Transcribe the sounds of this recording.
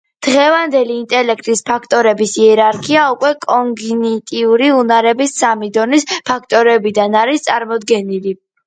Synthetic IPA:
d̪̥ʁɛvand̪ɛliːnt̪ʼɛlɛkʰt̪ʼispʰakʰt̪ʼɔɾɛbisiɛɾaɾkʰiaukʼwɛkʼɔŋɡnit̪ʼiuɾiunaɾɛbisːamid̪ɔnispʰakʰt̪ʼɔɾɛbid̪anaɾist̪sʼaɾmɔd̪ɡɛnili

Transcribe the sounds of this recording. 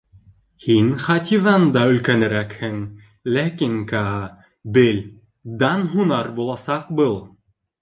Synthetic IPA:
hinχɑt̪ʲiðɑnd̪ɑɵ̆lkænɘ̆ɾækhɘŋ | lækiŋkɑ | bɘlʲ | d̪ɑnɦunɑɾbulˠɑsɑqbɤlˠ

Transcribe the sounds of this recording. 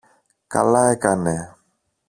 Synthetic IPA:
ka̰laekanɛ

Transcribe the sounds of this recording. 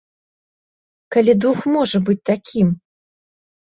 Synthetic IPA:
kalʲid̪uxmɔʐɐbɨt͡sʲt̪akʲʰim

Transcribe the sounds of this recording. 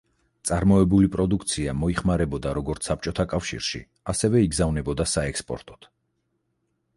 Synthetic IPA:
t̪sʼaɾmɔɛbulipʼɾɔd̪ukʰt̪sʰiamɔiχmaɾɛbɔd̪aɾɔɡɔɾt̪sʰap̚t͡ʃʼɔt̪ʰakʼafʃḭɾʃḭ | asɛvɛiɡzavnɛbɔd̪asaɛkspʼɔ̰ɾt̪ʼɔ̥t̪ʰ

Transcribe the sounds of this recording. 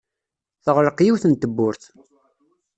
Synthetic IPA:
θəʁɾəqjiwθənt̪əbːʊɾθ

